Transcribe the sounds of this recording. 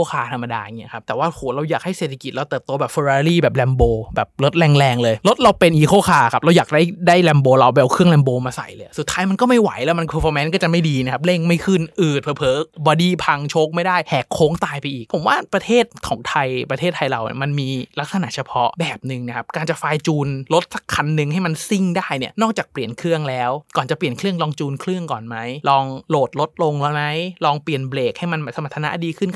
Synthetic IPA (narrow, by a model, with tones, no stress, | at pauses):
o˥˩kʰaː˧˩t̪ʰa˧mːa˧daː˧˨˩ŋi˦˥ɐ˧kʰa˦˥p̚t̪ɛː˨˩waː˥˩hoː˨˩˦ɾa˧wjaː˨˩k̚ha˥˩jseː˨˩t̪ʰːa˧ki˨˩t̪̚ɾa˧t̪ɤː˨˩p̚t̪o˧bɛː˨˩fo˧ɾaː˧ɾiː˥˩bɛː˨˩p̚lɛː˧mboː˧bɛː˨˩p̚lo˦˥t̪̚lɛː˧ŋlɛː˧ŋlɤː˧jlo˦˥t̪̚ɾa˧wpe˧nʔiː˨˩kʰoː˥˩kʰaː˨˧˩kʰa˦˥p̚ɾa˧wjaː˨˩k̚daː˥˩jdaː˥˩jlɛ˧mboː˧la˧wbɛː˧wkʰɯ˥˩əŋlɛː˧mboː˧maː˧sa̰˨˩jlɤː˧jsu˨˩t̪ʰːaː˦˥jma˧nkɔː˥˩ma˥˩jwa̰˨˩˦jlɛː˦˥wma˧nkʰoː˧fɔː˧mɛː˦˥nkɔ˥˩t͡ɕa˨˩ma˥˩jdiː˧na˦˥kʰa˦˥p̚le˥˩ŋma˥˩jkʰɯ˥˩nʔɯː˨˩t̪̚pʰɤː˧˦˩pʰɤː˨˦bɔː˧diː˧˩pʰa˧ŋt͡ɕʰoː˦˥k̚ma˥˩jdaː˥˩jhɛː˨˩kʰːoː˦˥ŋt̪aː˧jpa˧jʔiː˨˩k̚pʰo˩˦mwaː˥˩pɾa˧t̪ʰeː˥˩t̪̚kʰɔː˩˦ŋt̪ʰa˧jpɾa˧t̪ʰeː˥˩t̪ʰːa˧jɾa̰˨˩wnḭ˥˩ma˧nmiː˧la˦˥k̚sa˧na̰˧˦ʔt͡ɕʰa˧pʰɔ˦˥ʔbɛː˨˩p̚nɯ˨˧ŋna˧˦˩kʰa˦˥p̚kaː˧nt͡ɕa˨˩faː˧jt͡ɕuː˧nlo˦˥t̪̚sa˧˦kʰːa˧nːɯ˨˧ŋɦa˥˩jma˧nsi˥˩ŋdaː˥˩jni˥˩nɔː˥˩k̚t͡ɕaː˨˩k̚pli˨˩ənkʰɾɯ˥˩əŋlɛː˦˥wkɔː˨˩nt͡ɕa˨˩pli˨˩ənkʰlɯ˥˩əŋlɔː˧ŋt͡ɕuː˧nkʰlɯ˥˩əŋkɔ̰ː˨˩nma˦˥jlɔː˧ŋloː˨˩t̪̚lo˦˥t̪̚lo˧ŋlɛː˦˥wma˦˥jlɔː˧ŋpli˨˩ənbleː˨˩k̚ha˥˩jma˧nma˧˩sa˧ma˨˩t̪ʰːna̰˧˥ʔdiː˧kʰɯ˥˩n